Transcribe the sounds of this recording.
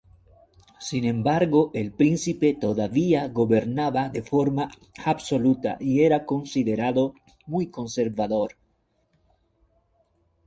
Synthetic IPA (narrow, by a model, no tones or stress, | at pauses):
sinẽ̞mbaɾɣoʔelpɾinsipe̞t̪oðaβiaɣo̞βe̞ɾnaβaðefo̞ɾma | abso̞lut̪a̰ʔieɾako̞nsiðeɾaðo | mujko̞nse̞ɾβaðo̞ɾ